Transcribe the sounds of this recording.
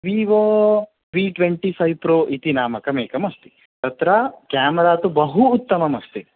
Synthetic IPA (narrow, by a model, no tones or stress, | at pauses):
ʋiːʋoː | ʋiːʈʋeɳʈifʰɐjʋpɾoːʔit̪inaːmɐkɐmeːkɐmɐst̪i̥ | t̪ɐt̪ɾakaːmɐɾaːt̪ubɐɦuːt̪ːɐmɐmɐst̪i